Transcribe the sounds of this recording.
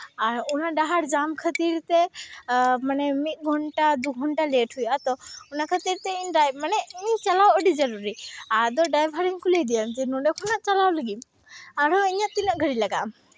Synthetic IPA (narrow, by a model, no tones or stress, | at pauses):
aɾunaɖaɦaɽd͡ʒamkʰət̪iɾt̪ɛ | manɛmit̪̚ˀɡʱɔɳʈad̪uɡʱɔɳʈalɛʈʰhujat̪ɔunakʰət̪iɾt̪ɛiɲɖajmanɛiɲt͡ʃalawəɖid͡ʒəɾuɾiad̪ɔɖajbʱɦaɽiɲkulejd̪ijamt̪inɔɖɛkʰɔnaʔt͡ʃalawləɡim | aɾɔiɲaʔt̪inaʔɡʱəɽilaɡaʔ